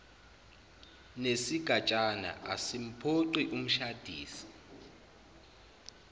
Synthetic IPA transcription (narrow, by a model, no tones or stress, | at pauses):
nesiɡ̥ʱat͡ʃʼana̰ʔa̰sim̩pʰoǀiʔum̩ʃad̥ʱiːsi̥